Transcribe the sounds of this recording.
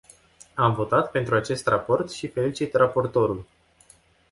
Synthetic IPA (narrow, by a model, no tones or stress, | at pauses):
amvo̞t̪at̪pe̞nt̪ɾuat͡ʃe̞st̪rapo̞rt̪ʃife̞lit͡ʃit̪rapo̞rt̪o̞ɾul